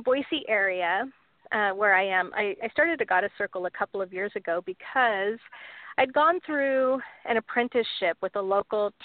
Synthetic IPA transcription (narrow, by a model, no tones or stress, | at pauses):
bɔɪsiʔɛɹiɨ | wə˞aɪɨ̃mʔa̰ɪʔaɪstɑɹɾɨdɨɡɑɾɨsɜ˞kl̩ˠəkʰʌpl̩ˠʌvjɪɹzɨɡoʊbɨkʰʌz̥aɪɨd̚ɡɔ̃nθɹʉʔɨ̃ñɨpʰɹ̥ɛ̃ntɨsʃɪpwəðəloʊkl̩ˠtʰ